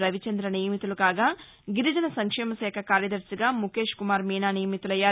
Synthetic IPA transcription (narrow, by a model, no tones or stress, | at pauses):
ɾɐʋit͡ʃɐnd̪ɾɐnijɐmit̪ulukaːɡaː | ɡiɾid͡ʒɐnɐsɐŋkʂɛːmɐsɛːkʰɐkaːɾjɐd̪ɐɾsiɡaːmuke̞ːʂkumaːɾmiːnaːnijɐmit̪ulɐjːaː